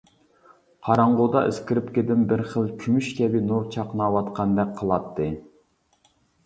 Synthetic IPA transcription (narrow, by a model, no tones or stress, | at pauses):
qʰɑɾɑɴʁʊd̪ɑʔɪskʲiɾɪpkʲed̪ɪmbɪɾχəlˠkʲʰymyʃkʲʰɛbɪnuɾt͡ʃʰɑqnɑwɑt̪qʰɑnd̪ɛk̚ʲqʰəlˠɑt̪ʰːɨ